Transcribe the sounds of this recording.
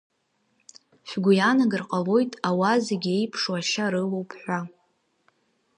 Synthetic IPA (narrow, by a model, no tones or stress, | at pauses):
ʃʷᶣɡʷʊjanaɡɨrqʼalo̞jtʼawazeɡʲe̞jpʰʂwaʃaɾɨlowpʰħʷa